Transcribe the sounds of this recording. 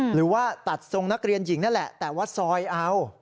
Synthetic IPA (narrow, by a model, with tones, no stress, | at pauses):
ɾɯː˩˦waː˥˩t̪a˨˩t̪̚so˧ŋna˦˥k̚ɾi˧ənji˩˦ŋna˥˩nlɛ˨˩ʔt̪ɛː˨˩waː˥˩sɔː˧jʔa˧w